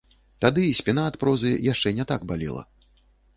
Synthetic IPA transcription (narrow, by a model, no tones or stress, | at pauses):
t̪ad̪ɨːsʲpʲinaːt̪pɾɔzɨjaʂt͡ʂɛnʲɛt̪aɡbalʲḭlˠɐ̰